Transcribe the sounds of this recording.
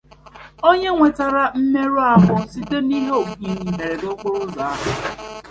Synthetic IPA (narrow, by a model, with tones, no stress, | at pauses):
o˦ɲe˦ŋʷe˨ta˨ɾa˨m̩˦me˦ɾu˦a˦ɦʊ˦si˦te˦ni˦ɦe˦o˨ki˦ɲi˨me˨ɾe˨do˦kʷʊ˦ɾʊ˦za˨a˦ɦʊ˨